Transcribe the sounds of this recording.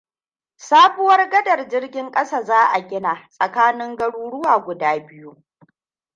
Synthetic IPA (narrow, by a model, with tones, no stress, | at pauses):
saː˦bʊ˦wɐ˦rɡɐ˦dɐ˨rd͡ʒɪ˦rɡʲɪ˦ŋkʼɐ˦saː˦˨zaː˦ʔa˨ɡʲɪ˦naː˨sʼɐ˨kaː˦nɪ˦ŋɡɐ˦ɽuː˦ɽʊ˦waː˨ɡʷʊ˨daː˦bɪ˦ju˦